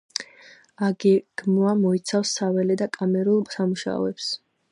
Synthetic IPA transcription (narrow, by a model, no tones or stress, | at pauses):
aɡɛɡ̥muamɔit̪sʰafsːavɛlɛd̪akʼamɛɾulˠsamuʃa̰ɔ̰ɛps